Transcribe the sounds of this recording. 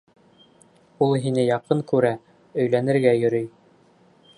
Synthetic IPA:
ulˠɦinɘjɑqɤŋkʉɾæ | ɵ̆jlænɘ̆ɾɡæjɵ̆ɾɵj

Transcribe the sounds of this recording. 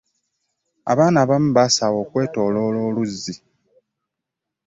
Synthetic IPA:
a̰βaːnaːβam̩basawo̞ːkwe̞ːto̞ːlo̞ːlo̞ːluzːi

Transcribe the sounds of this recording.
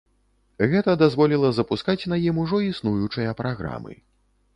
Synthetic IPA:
ɣɛt̪ɐd̪azvɔlʲilˠɐzɐpuskat͡sʲnajimuʐɔisnujut͡ʂɨjɐpɾaɣɾa̰mɨ̰

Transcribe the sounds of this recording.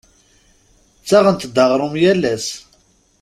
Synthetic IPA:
t͡sːæʁənt̪d̪əʁɾˤʊmjælːæs

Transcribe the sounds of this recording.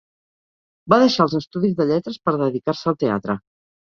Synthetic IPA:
baðəʃaəlˠzəst̪uðizðəʎɛt̪ɾəspəɾðəðikaɾsəːlˠt̪ea̰t̪ɾə

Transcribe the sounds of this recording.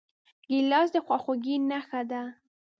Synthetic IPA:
ɡilɑs̬d̪əxwɑxoɡinaxad̪a

